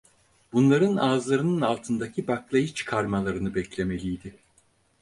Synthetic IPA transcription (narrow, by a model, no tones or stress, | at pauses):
bunlˠaɾɯnaːzlˠaɾɯnɯnalˠt̪ʰɯnd̪acʰibaklˠajɯt͡ʃʰɯ̥kʰaɾmalˠaɾɯnɯbɛclʲe̞me̞lʲijd̪ɪ